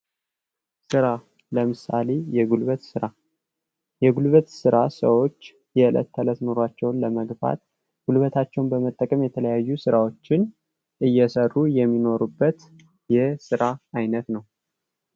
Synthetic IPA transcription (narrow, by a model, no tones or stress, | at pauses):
sɨɾa | ləmɨsale̞jɛɡulβət̪sɨɾa | jɛɡulβət̪sɨɾasə̰wo̞t͡ʃː | jɛɨlə̰t̪ʰːələt̪nuɾwat͡ʃːɛwnləməɡba̰t̪ | ɡ̥ulβət̪ʰat͡ʃːɛwnbəmət̪ʼːəkʼəmjɛt̪ʰələjajːusɨɾawo̞t͡ʃːɪn | ʔɨjːɛsərːujɛmːino̞ɾubːət̪ | jɛsɨɾaajnət̪nəw